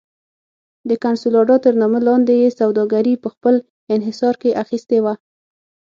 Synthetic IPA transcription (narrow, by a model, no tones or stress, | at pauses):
d̪əkansulɑɖɑt̪əɾnɑməlɑnd̪ejesawd̪ɑɡaɾipəxpəl | ɪnɦɪsɑɾkeʔaxist̪ewa